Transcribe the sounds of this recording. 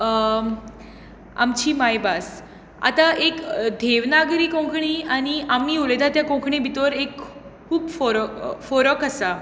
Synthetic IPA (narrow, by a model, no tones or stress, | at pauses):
a̰mt͡ɕiːmajbas | a̰t̪aʔekd̪ʱeʋnaɡɾiːkõŋkʰɳiañiamːiuled̪ʱat̪jakõŋkʰɳẽbʱit̪ʋəɾekkʰuːbfɔɾfɔɾəkəsa